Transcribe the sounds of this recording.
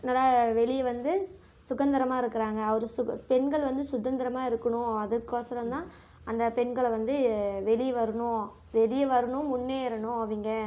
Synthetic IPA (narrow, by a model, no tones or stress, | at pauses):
nɐːlːaːʋɛɭɪʋɐnd̪ɯ | sʊɣɐnd̪ɪɾɐmaːɪɾɯkːɪɾaːŋɡɐːʋɐɾɯsʊpɛnɡɐɭʋɐnd̪ɯsʊðɐnd̪ɐɾɐmaːɪɾɯkːɐɳʊ̃ɐðɯkːoːsɐɾɐnt̪ãː | ɐnd̪ɐpɛɳɡɐɭʋɐnd̪ɯʋɛɭiʋɐɾɯɳʊ̃ | ʋɛɾɪjɐʋɐɾɯɳʊ̃ʊnːeːɪɾɐɳʊ̃ɐʋiŋɡɐ